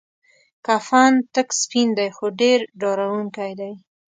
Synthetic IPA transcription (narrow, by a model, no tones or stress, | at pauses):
kɑfɑnt̪əkspind̪ajxoɖeɾɖɑɾawuŋkajd̪aj